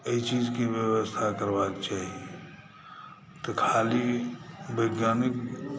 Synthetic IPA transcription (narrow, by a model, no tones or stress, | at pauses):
eit͡ʃid͡ʒkebjəwəst̪ʰakəɾbakt͡ʃaːɦie | t̪ɔkʰalibəɡjaːnik